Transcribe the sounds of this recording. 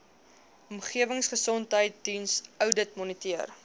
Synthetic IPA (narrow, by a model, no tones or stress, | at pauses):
ɔmχiəvəŋsχəsɔntɦəjt̚dinsœwdətmɔnitiər